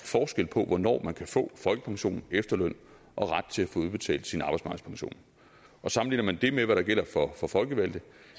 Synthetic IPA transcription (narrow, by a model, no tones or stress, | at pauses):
fɒːsɡ̥el̰pʰɒ̽ʋɒnɒ̰ːmænkʰæfɔ̰̽ːfɒ̽lɡ̥əpʰɑ̈ŋɕo̝̰ːnn̩efd̥ɐløn̰ | ʔɒ̽ʁɑd̥̚t͡sʰe̝æfɔ̽ːuðˠb̥e̝t͡sʰɛ̰ːld̥sinɑ̈ːbɑ̈ɪsmɑ̈ɡð̩̥ˠpʰɑ̈ŋɕo̝̰ːn | ʔɒ̽sɑ̈mn̩ḭːnɐmænd̥e̝meʋæɾɑ̈ɡ̥el̰ɐfɒ̽fɒ̽fɒ̽lɡ̥əʋæld̥ðə